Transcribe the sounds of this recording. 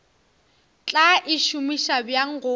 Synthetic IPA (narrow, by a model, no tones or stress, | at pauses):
t͡ɬʼaʔɪʃʊmiʃabjaŋ̩ɣʊ